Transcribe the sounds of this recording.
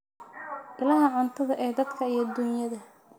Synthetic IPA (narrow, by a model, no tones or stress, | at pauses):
ʔɪlɐɦɐʕant̪ʰɐðɐʔɛːd̪ɐd̪kʰɐijd̪ːuːnjɐðɐ